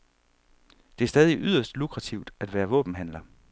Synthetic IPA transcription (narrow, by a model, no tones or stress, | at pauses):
d̥e̝æɐsd̥ɛːð̞ˠiʔyðˠɐsd̥lukʰʁɑt͡sʰiʊd̥æd̥ʋæːɐʋɔ̰̽ːb̥n̩ɦænlɐ